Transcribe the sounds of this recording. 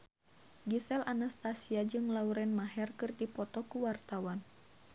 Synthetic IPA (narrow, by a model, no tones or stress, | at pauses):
ɡisɛlʔanast̪asiad͡ʒɨŋlauɾɛnmaɦɛrkɨrdipɔt̪ɔkuwart̪awan